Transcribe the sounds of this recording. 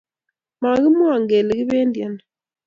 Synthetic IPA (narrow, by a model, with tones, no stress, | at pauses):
ma˨ɣi˦mwa˨ŋɡɛ˨le˨ɣi˦βɛː˦ndja˨na